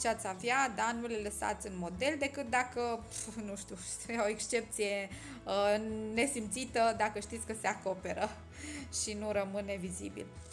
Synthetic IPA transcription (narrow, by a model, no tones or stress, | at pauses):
t͡ʃeat̪savjad̪anuleləsa̰t̪sʲɨnmo̞d̪e̞ld̪e̞kɨt̪̚d̪akənuʃt̪iueoekst͡ʃe̞p̚t̪sije̞ | əne̞simt̪sit̪əd̪akəʃt̪it̪sʲkəseako̞pe̞ɾə | ʃinuɾəmɨne̞vizḭbḭl